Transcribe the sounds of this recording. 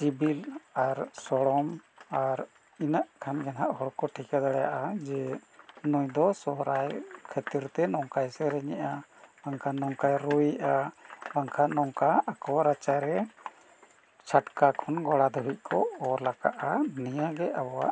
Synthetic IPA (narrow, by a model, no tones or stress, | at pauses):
sibilaɾsɔɽɔmaɾ | inaʔkʰanɡɛnɦaʔɦɔɽkɔʈʰikad̪aɽɛja̰ʔad͡ʒɛnujd̪ɔsɔɦɾajkʰət̪iɾt̪ɛnɔŋkajsɛɾɛɲɛʔabaŋkʰanɔŋkajɾuiʔabaŋkʰanɔŋkaːkɔwaɾat͡ʃaɾɛ | t͡ʃʰaʈkakʰɔnɡɔɽad̪ɔɦiʔ̚ˀkʰɔɔlaka̰ʔanijaɡɛʔabɔwa̰ʔ